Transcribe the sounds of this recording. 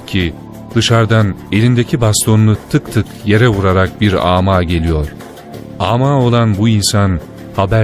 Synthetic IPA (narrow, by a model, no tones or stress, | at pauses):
cʰi | d̪̥ɯʃaɾd̪ane̞lʲind̪ecʰibast̪ʰo̞nːˠut̪ʰɯkt̪ʰɯkje̞ɾɛvuɾaɾak̚biɾa̰ːmaːɟe̞lʲijo̞ɾ̥ | aːmaːo̞lˠanbuinsan | habæ